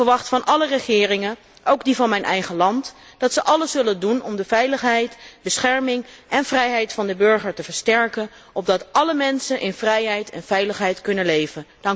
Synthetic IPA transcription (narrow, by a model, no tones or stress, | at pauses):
fəɹʋɑχtfɑnʔɑlərəχɪːrɪŋən | ʔowɡ̚divɑnmɛjnʔɛ̰jχəlɑnt | d̥ɑtsəʔɑləsːɵləndunɔmdəvɛjləχɦɛjtbəsχɛɹmɪŋʔɛnvrɛjɦɛjtfɑndəbɵɹχəɹtəvəɹstɛɹkən | ʔɔb̚dɑtʔɑləmɛnsənʔɪnvrɛjɦɛjtʰɛ̰nv̥ɛjləχɦɛjtkɵnənlejvənd̥ɑŋk